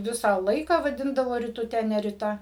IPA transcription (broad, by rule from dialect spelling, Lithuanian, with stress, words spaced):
ˈʋʲɪsɑː ˈlˠɐɪkɑː ʋɐˈdʲɪndɐʋoː rʲɪtʊˈtʲɛ nʲɛ rʲɪˈtɐ